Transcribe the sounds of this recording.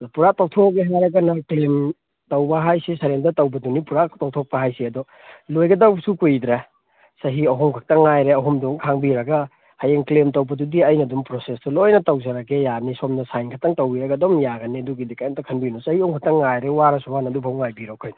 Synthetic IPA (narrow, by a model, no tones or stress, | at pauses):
puɾak̚tawtʰɔkkeɦajɾɐɡɐnɐklem | tɐwbɐɦajsisɐɾemdɐtɐwbɐdunipuɾatawtʰɔk̚pɐɦajsiɐdɔ | lojɡɐdawbsukujd̪ɾa | sɐɦiɐɦɔmkʰɐk̚tɐŋːajɾeɐɦɔmdɔŋkʰaŋbiɾɐɡɐ | hajeŋklemtɐwbɐdudiɐjnɐdumpɾosestɐlojnɐtɐwzɐɾɐɡejanisɔmnɐsajnkʰɐtɐŋtɐwiɾɐɡɐdɔmjaɡɐneɐduɡidekajntɐkʰɐnbinɔsɐhiɔŋkʰatɐŋːajɾewaɾɐsubanɐdupʰawŋːajbiɾɔkʰajnɐ